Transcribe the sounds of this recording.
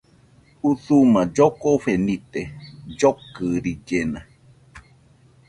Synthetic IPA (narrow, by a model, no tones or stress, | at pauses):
uθumãd͡ʒokoɸenit̪ed͡ʒokɨɾid͡ʒenã